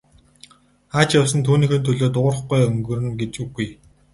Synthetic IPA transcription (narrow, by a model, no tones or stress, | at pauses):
χaːt͡ɕjawsə̆nt̪ʰuːniːxĕːnt̪ʰɵɮoːt̪ʊrə̆χɡujɵŋɡɵ̆rɘ̆nɡet͡ɕuɣuj